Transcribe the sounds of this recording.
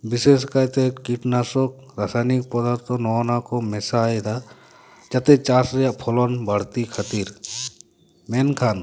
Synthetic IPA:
biseskajt̪ekiʈnasɔk̚ | ɾasajnik̚pɔd̪ɔɾt̪ɔnɔnakɔmɛsajd̪a | d͡ʒat̪ɛt͡ʃasɾɛjaʔpʰɔlɔnbəɽ̤t̪ikʰət̪iɾ | mɛnkʰan

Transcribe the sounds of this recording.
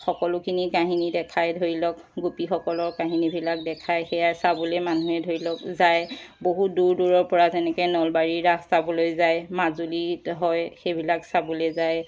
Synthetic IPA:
xɔkɔlʊkʰinikaɦinidɛkʰajdʱoɹilɔk | ɡupixɔkɔlɔɹkaɦinibʱilak̚dɛkʰajxɛjasabɔlɛmanuɦɛdʱoɹilɔkzajboɦutduɹduɹɔɹpɔɹazɛnɛkɛnɔlbaɹiɹastabɔlojzajmazuliɦɔjxebʱilaksabɔlɛzaj

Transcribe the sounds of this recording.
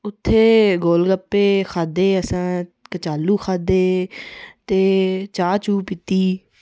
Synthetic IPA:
ʊt̪ʰːeːɡoːlɡəpːeːkʰaːd̪eːəsãːkət͡ʃaːlːuːkʰaːd̪eː | t̪eːt͡ʃaːt͡ʃuːpɪt̪iː

